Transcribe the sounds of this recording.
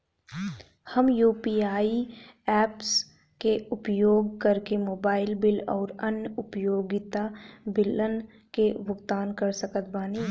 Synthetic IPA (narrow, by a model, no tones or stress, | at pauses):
hɐmjuːpiːaːiɛːps | keʊpjoːɡkɐɾkemoːbaːɪlbɪlɔːɾɐnjəʊpjoːɡɪt̪abɪlən | keʋʊɡt̪aːnkɐɾsɐkət̪baːniː